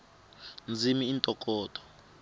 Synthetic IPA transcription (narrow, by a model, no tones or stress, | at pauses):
nd͡zʱimiːntʼɔkʼɔːtʰʼɔ̥